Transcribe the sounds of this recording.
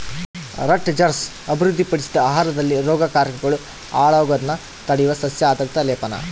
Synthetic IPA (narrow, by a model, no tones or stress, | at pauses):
ɾɐʈd͡ʒɐɾs | ɐbʱiɾud̪ʱːipɐɽisid̪ɐaːɦaːɾɐd̪ɐlːiɾɔːɡɐkaːɾkɐɡɐɭu | aːɭoːɡɐd̪nːɐ | t̪ɐɽijuʋɐsɐsjaaːd̪ɐɾt̪ɐleːpɐnɐ̰